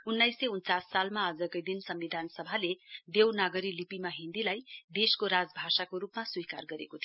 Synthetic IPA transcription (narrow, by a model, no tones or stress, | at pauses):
unːajseunt͡sasːalmaʌd͡zʌkojd̪insʌmːid̪ʱansʌbʱaled̪ewnaɡʌɾilipimaɦind̪ilajd̪eskoɾad͡zbʱasakoɾupmaswikarɡʌɾekot̪ʰ